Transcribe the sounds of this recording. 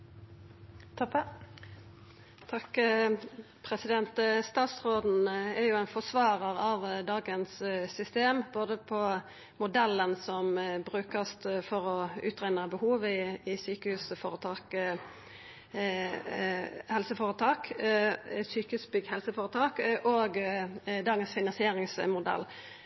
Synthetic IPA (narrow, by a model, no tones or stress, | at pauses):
t̪ʰɔp | t̪ʰɑk | pʰʁɛsɪd̪ɛnt̪st̪ɑːt̪sʁoːd̪n̩æɾjʊæɪnfɔsʋɑːʁəʁɑʋd̪ɑːɡənssʏst̪eːmboːd̪əpʰɔ | mʊd̪ɛlːənsɔmbʁʉːkəst̪fɔʁɔʉ̰ːt̪ʁæɪnəbəhuːʋɪɪsyːkəhʉːsfoːʁət̪ʰɑːk | hɛlsəfoːʁət̪ʰɑːk | syːkəhʉːsbʏɡhɛlsəfoːɾət̪ʰɑːkʔoːɡd̪ɑːɡənsfɪnɑnsɪeːʁɪŋsmʊd̪ɛ̰lː